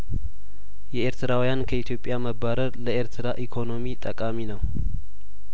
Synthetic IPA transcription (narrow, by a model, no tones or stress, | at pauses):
jɛeɾt̪ʰɨɾawijankʰəit̪jo̞pʼːjaməbaɾəɾləʔe̞ɾt̪ʰɨɾaʔikʰo̞no̞mit̪ʼəkʼaminəw